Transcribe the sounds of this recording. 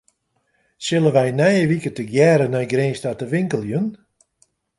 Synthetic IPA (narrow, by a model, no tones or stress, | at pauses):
sɪlˠənʋɛjnɛjəʋikətəɡjɛːɾənɔjɡreːnstatəʋɪŋkəlˠjun